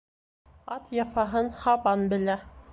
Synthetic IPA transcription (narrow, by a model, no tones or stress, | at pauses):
ɑt̪jɑfɑɦɤnhɑbɑnbɘ̆læ